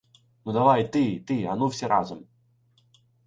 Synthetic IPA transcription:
nud̪ɐʋajt̪ɪt̪ɪɐnuwsʲɛɾʔɑ̰zɔm

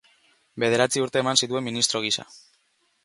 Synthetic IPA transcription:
be̞ð̞e̞ɾat͡siuɾt̪e̞ːmansit̪ue̞mːinist̪ɾo̞ɣ̞isa̰

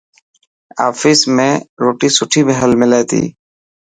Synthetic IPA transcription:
a̰ːfɪːsmẽːɾoːʈiːsʊʈʰiːbəɦəlmɪ̃leːt̪ḭː

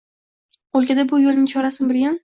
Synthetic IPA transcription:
olˠkʲad̪abʊjolˠnɪŋt͡ʃʰɒɾasɪnbɪɾɡʲan

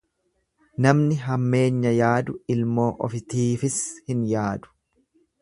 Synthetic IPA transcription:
nɐmnɪɦɐmːe̞ːɲːɐjaːd̪ʊɪlmo̞ːʔɔ̰fɪt̪iːfɪshɪnjaːd̪ʊ̥

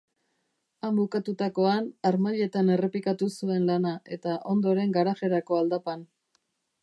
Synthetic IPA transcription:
ambukat̪ut̪ako̞anaɾmaʎe̞t̪ane̞re̞pikat̪usue̞nlanaʔe̞t̪aʔo̞nd̪o̞ɾe̞ŋɡaɾaʝe̞ɾako̞ald̪apan

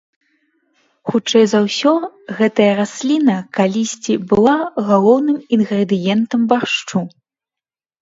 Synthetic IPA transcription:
xut͡ʂɛjzawsʲɔɣɛt̪ɐjɐɾasʲlʲinɐkalʲisʲt͡sʲibɨlˠaɣalˠɔwnɨminɣɾɛd̪ɨjɛnt̪ɐmbaʂt͡ʂu

